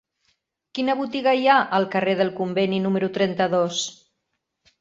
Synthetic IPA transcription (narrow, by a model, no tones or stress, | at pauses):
kinəβut̪iɣəiaʔəlˠkəreð̞əlˠkumbeninuməɾut̪ɾɛnt̪əðos